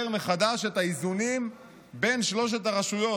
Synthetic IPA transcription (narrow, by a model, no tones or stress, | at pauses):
eʁme̞χad̪aʃe̞t̪aizunim | be̞nʃlo̞ʃ̬etaʁaʃujo̞